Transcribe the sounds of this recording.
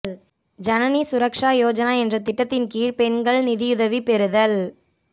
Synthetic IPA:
d͡ʒɐnɐnisʊɾɐkʂaːjoːd͡ʒɐnaːɛndrɐt̪ɪʈːɐt̪ːɪnkiːɻpɛnɡɐɭnɪðɪjʊðɐʋipɛɾɯðɐl

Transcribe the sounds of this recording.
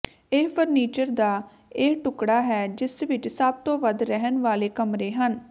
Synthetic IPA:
eːpʰəɾniːt͡ʃəɾd̪aː | eːʈʊkɽaːɦɛːd͡ʒɪsʋɪt͡ʃsəb̚t̪õːʋəd̪ɾɛɦənʋaːleːkəmɾeːɦən

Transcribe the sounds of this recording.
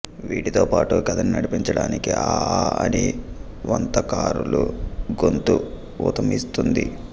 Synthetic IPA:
ʋiːʈit̪oːpaːʈukɐd̪ɐninɐɽipiɲt͡ʃɐɽaːnikiʔaːaɐni | ʋɐnt̪ɐkaːɾuluɡont̪u | ut̪ɐmist̪und̪i

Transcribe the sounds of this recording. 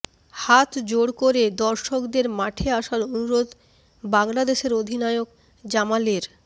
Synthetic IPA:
hat̪d͡ʑoɽkoɾed̪ɔɾʃokd̪eɾmaʈʰeaʃaɾonuɾod̪ | baŋlad̪eʃeɾod̪ʱinaeok̚ | d͡ʑamaleɾ

